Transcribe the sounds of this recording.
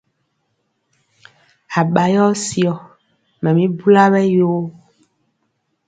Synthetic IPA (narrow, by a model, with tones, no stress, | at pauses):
a˨ɓa˨jɔ˦si˨ɔ˨ | mɛ̃˨mĩ˦bu˦la˦βɛ˦jo˦